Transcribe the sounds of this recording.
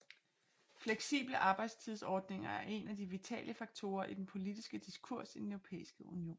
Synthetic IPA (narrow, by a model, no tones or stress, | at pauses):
fleɡ̥sḭːb̥ləʔɑ̈ːb̥ɑ̈ɪd̥st͡sʰiðˠsɒːd̥ne̝ŋɐæɐʔe̝næd̥iʋit͡sʰɛ̰ːlʔəfɑ̈ɡ̥̚t͡sʰo̝ːɐʔid̥enpʰo̝lid̥isɡ̥əd̥iskʰuɐ̰sid̥enøʊʁo̝pʰḛːisɡ̥əʔunio̝̰ːn